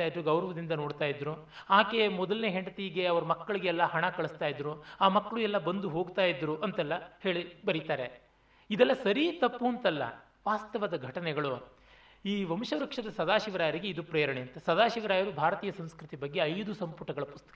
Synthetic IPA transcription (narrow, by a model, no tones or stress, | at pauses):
aːjid̪ɾuɡɐwɾɐʋɐd̪ind̪ɐno̞ːɽt̪aːjid̪ɾu | aːke̞mɔd̪ɐlneːɦeɳɖɐt̪iɡe̞ɐʋɐɾumɐkːɐɭiɡeːlːɐhɐɳɐkɐɭust̪aːjid̪ɾuaːmɐkːɐɭuɛlːɐbɐnd̪uɦo̞ːɡt̪aːjid̪ɾuʔɐnt̪ɛlːɐhe̞ːɭibɐɾit̪aːɾe̞ | id̪ɛlːɐsɐɾit̪ɐpːuɐnt̪ɛlːɐ̰ | ʋaːst̪ɐʋɐd̪ɐɡʱɐʈɐnɛɡɐɭu | iːʋɐmʃɐɾɐkʂɐd̪ɐsɐd̪aːʃiʋɐɾaːjɐɾiɡeid̪upɾeːjɐɾɐɳeɐnt̪esɐd̪aːʃiʋɐɾaːjɐɾubʱaːɾɐt̪iːjɐsɐm̃skɾut̪ibɐɡːe̞ɐjd̪usɐmpuʈɐɡɐɭɐpust̪ɐ̥k